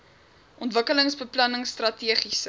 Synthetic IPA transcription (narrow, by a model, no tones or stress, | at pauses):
ʔɔntvəkələŋsbəplɐnəŋstrɐtiəχisə